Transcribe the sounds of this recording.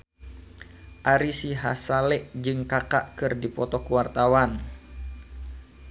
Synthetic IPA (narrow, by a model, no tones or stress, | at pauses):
ʔaɾisiɦasalɛʔd͡ʒɨŋkakaʔkɨrdipɔt̪ɔkuwart̪awan